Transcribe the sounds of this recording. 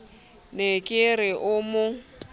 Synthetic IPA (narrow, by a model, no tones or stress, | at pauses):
nekʼɪɾɪʔʊmʊ